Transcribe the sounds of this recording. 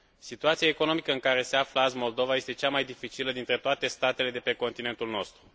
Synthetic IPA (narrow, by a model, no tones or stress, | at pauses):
sit̪uat̪siaeko̞no̞mikəɨŋkaɾe̞se̞afləazmo̞ld̪o̞vaje̞st̪e̞t͡ʃamajd̪ifit͡ʃiləd̪int̪ɾe̞t̪oat̪e̞st̪at̪e̞le̞d̪e̞pe̞ko̞nt̪ine̞nt̪ulno̞st̪ɾu